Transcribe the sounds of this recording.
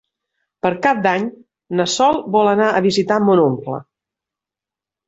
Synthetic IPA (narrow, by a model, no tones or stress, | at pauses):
pəɾkap̚d̪aɲ | nəsɔlˠbɔlənaʔəβizit̪amonomplə̰